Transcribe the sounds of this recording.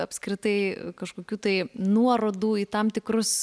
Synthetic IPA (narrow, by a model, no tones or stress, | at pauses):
ɐpʲskɾʲɪt̪ɐɪkɐʃkoːkʲuːt̪ɐɪnuɔɾoːd̪uːit̪ɐmt̪ʲɪkɾʊs